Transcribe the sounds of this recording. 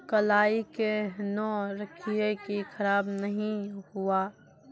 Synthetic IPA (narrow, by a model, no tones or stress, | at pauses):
kɐlaːikenɔːɾɐkʰiekixʰɐɾaːbnɐɦĩhuaː